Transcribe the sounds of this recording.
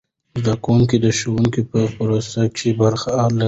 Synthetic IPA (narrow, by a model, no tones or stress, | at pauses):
zd̪akawuŋkid̪əʃowuŋkipəpəɾast̪aɡʃebaɾxaala